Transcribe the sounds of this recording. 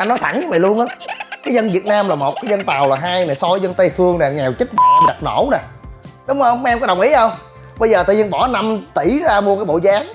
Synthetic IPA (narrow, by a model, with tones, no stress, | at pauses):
ʔa˧nɔ˨˦jt̪ʰa˧˩˦na˨˦va˨˩jlu˧ənʔaː˨˦kaː˨˦jzə˧nvi˨˩ət̚naː˧mlaː˨˩mo˨˩t̚kaː˨˦jzə˧nt̪a˨˩wlaː˨˩ɦaː˧jna˨˩jsɔ˧˨˦zə˧nt̪ə˧jfɨ˧əŋna˨˩ŋɛ˨˩wt͡ɕi˦˥t̟̚ɗa˨˩p̚no̰˧˩˥wna˨˩ɗʊ˨˦ŋ͡mhə˧ʔɛ˧mkɔ˨˦ɗə˨˩wŋ͡mʔḭ˧˥ʔə˧wŋ͡m | ɓə˧jzəː˨˩t̪a̰ː˧˨ɲə˧nɓɔ˧˩˦na˧mt̪i˧˩zaː˧mu˧kaː˨˦jɓo̰˧˨zaː˨˦ŋ